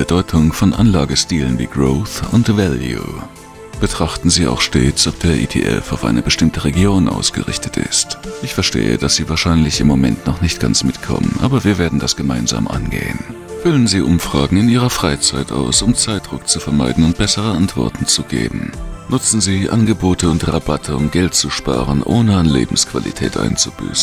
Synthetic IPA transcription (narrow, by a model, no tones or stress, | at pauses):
b̥ədɔʏtʰʊŋfɔnʔanlaːɡəstiːlənvḭːɡʁoːθʊntvɛljṵ | b̥ətʁ̥aχtn̩ziːa̰ʊxʃteːt͡sʔɔp̚d̥eːɐʔḭːtʰḛːʔɛ̰faʊfʔa̰ɪnʔəbəʃtɪmtəʁeɡjoːnʔa̰ʊsɡ̥əʁɪçtʰətɪ̰stʔɪçfɛɐʃtḛːə̰d̥asz̥iːvaːɐʃaɪnlɪçɪmːomɛntnɔχnɪçt̚ɡ̥a̰nt͡smɪtkʰɔ̰mənʔa̰ːbɐviːɐveːɐdn̩dasɡ̥əmaɪnza̰ːmʔa̰nɡḛːən | fʏlənziːʔʊmfʁ̥aːɡŋ̩ɪniːʁ̞ɐfʁ̥aɪt͡saɪta̰ʊsʊmt͡saɪt̚dʁ̥ʊk̚t͡sufɛɐmaɪdn̩ʊnt̚b̥ɛsəʁ̞əʔantv̥ɔ̰ɐtn̩t͡suɡḛːbm̩nʊt͡sn̩ziːʔa̰nɡəboːtʰəʊntʁabatʰəʊmɡɛltt͡suʃpa̰ːʁ̞ənʔoːnəanlḛːbm̩skv̥alʔḭtʰɛ̰ːtʔa̰ɪnt͡sub̥y̰ːsn̩